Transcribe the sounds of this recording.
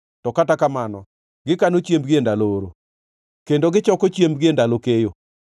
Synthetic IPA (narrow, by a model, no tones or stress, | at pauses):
tɔkatakamanɔ | ɡɪkanot͡ʃembɡiendalooɾo̰ | kendoɡɪt͡ʃɔkɔt͡ʃjembɡiendalokejo